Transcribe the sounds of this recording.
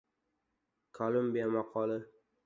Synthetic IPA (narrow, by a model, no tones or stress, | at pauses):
kʰolˠʊmbijamɑqʰɒlɪ